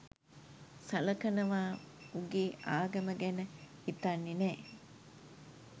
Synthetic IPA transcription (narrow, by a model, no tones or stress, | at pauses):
sɐlɐkɐnɐʋaː | uɡiːʔaːɡɐməɡenəit̪anːineː